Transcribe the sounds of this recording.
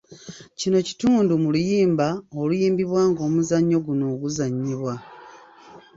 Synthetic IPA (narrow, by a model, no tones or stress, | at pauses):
cino̞ci̥tuːndumulujiːmbaolujiːmbiβwaːŋɡo̞ːmuzaɲːo̞ɡuno̞ːɡuzaɲːiβwa